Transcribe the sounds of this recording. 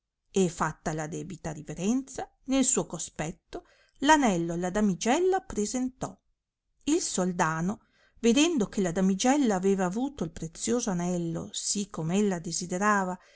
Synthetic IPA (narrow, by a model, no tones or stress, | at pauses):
efat̪ːalad̪ɛːbit̪aɾiveɾɛnt̪sa | nelsuːokospɛt̪ːo | lanɛlːolad̪amid͡ʒɛlːapɾezent̪ɔ | ilsold̪aːno | ved̪ɛnd̪okelad̪amid͡ʒɛlːaːveːvaːvuːt̪oilpɾet̪sːjoːzoanɛlːo̰sikːomeelːad̪ezid̪eɾaːva